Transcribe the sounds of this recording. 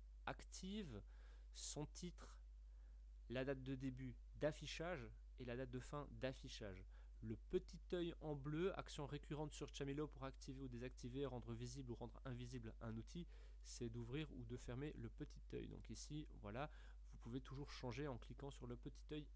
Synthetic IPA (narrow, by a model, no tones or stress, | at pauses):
akt̪ʰiv | sɑ̃t̪ʰit̪χ | lad̪at̪̚d̪əd̪eby | d̪afiʃaʒ | elad̪at̪̚d̪əfɛ̃d̪afiʃa̰ʒ | ləpət̪it̪œjɑ̃bløa̰ksjɔ̃ʁekʲyʁɑ̃t̪syʁʃamilopuʁakt̪ʰiveud̪ezak̚t̪ʰiveʁɑ̃d̪ʁəvizibluʁɑ̃d̪ʁɛ̃viziblɛ̰̃nut̪ʰi | sɛd̪uvʁiʁṵd̪əfɛʁmeləpət̪ʰi̥t̪œ̰jd̪ɔ̰̃kisivwa̰la | vupuvet̪uʒuʁʃɑ̃ʒeɑ̃klikɑ̃syʁləpət̪i̥t̪œj